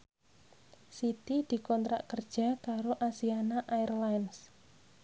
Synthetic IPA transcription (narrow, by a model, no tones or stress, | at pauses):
sit̪id̪̥i̤kɔnt̪ɾa̰ʔkərd̥ʒ̥a̤kaɾoʔasianaʔairlajns